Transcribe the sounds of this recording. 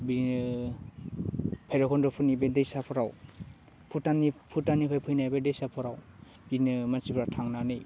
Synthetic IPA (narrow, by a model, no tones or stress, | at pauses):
bi | pʰajɾɔkʰɔndɔpʰunibedejsapʰɔɾaw | pʰutanipʰutanipʰajpʰɯjnajbadejsapʰɔɾaw | inɯmansibɾatʰaŋnanɯj